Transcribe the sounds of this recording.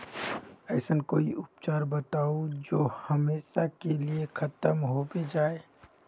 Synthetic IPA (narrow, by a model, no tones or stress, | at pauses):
ɛɪsənkoːiʔʊp̚t͡ʃaːɾbət̪aːod͡ʒoːhəmeːʃakeliekʰɐt̪əmɦobed͡ʒaːe